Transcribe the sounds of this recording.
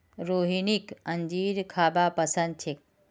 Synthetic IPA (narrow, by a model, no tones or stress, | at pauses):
ɾoːɦinikɐ̃ɲd͡ʒiːɾkʰaːbaːpɐsɐ̃nd̪̚t͡ʃʰik̚